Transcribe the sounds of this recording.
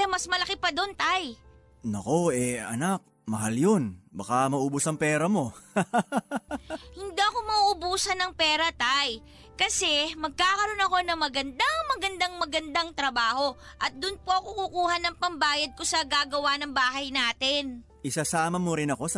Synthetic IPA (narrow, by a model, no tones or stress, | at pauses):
ɐmɐsmɐlɐkɪpɐd̪ont̪aj | nɐko̞ɛɐ̰nak̚ | mɐɦaljonbɐkamɐʔubʊsɐŋpɛːɾɐmo̞ | hɪnd̪iɐko̞mɐuʔʊbuːsɐnɐŋpɛːɾɐt̪aj | kɐsɛmɐɡ̚kaːkɐɾo̞nɐko̞nɐmɐɡɐnd̪aŋmɐɡɐnd̪aŋmɐɡɐnd̪aŋt̪ɾɐbaːho̞ | ʔɐt̪̚d̪ʊnpoʔɐkokukuːhɐnɐŋpɐmbaːjɐd̪̚ko̞sɐɡaːɡɐwanɐŋbaːɦɐjnaːt̪ɪn | ʔɪsasaːmɐmoɾɪnɐko̞s